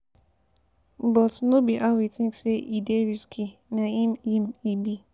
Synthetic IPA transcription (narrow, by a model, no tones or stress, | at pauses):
bɔtnobiʔawitɪ̃ŋkseʔideɾiskʰinaimimibi